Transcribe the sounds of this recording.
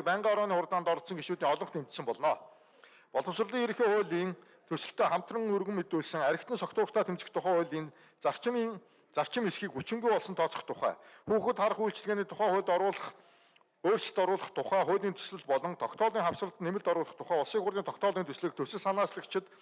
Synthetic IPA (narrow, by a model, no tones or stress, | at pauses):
k̚pæɴɢaːɔɾɔːniːχʊrt̪aːnt̪ɔɾɞ̆t̪sɞ̆ŋɡeʃuːt̪iːŋɔɮɞ̆χt̪emt͡ɕ̪sɘ̆mpɔɮnɔː | pɔɮɞ̆wsrə̆ɮiːŋeɾɘ̆xeːχʊːɮiːn | t̪ʰɵwsɘ̆ɬt̪ʰeːχam̥t̪rə̆ŋurɣɘ̆mːet̪uːɮsɘ̆ŋæɾʲɪ̆kt̪ʰɘ̆nsɔkt̪ʰʊːrə̆t̪ʰaːt̪ʰemt͡sɘ̆t̪ʰːʊχæːʊːɮiːn | ar̥t͡ɕː | t͡sar̥t͡ɕɪ̆mesxiːkut͡ɕɪ̆ŋɡujpɔɮsɞ̆nt̪ʰɔt͡sɞ̥̆χt̪ʰʊχæ̰ːxuːxɘ̆t̪χaɾə̆χujɬt͡ɕɪ̆ɮɣeːniːt̪ʰʊχæːχʊːt̪ʊːɮχ | oːrt͡ɕt̪ɔɾʊːɮə̆χt̪ʰʊχæːχʊːt̪iːnt̪ʰɵ̥sɮɘ̆ɮpɔɮɞ̆ŋt̪ʰɔkt̪ʰɔːɮiːŋχawsrə̆ɮt̪nemɘ̆ɮt̪ɔɾʊːɮə̆χt̪ʰʊχæːʊɮsiːkxʊrt̪iːnt̪ʰɔkt̪ʰɔːɮiːnt̪ɵsɮɘ̆ːk̚t̪ʰɵwsɘ̆ɮsanaːsɮə̆kt͡ɕʰɪ̆t̪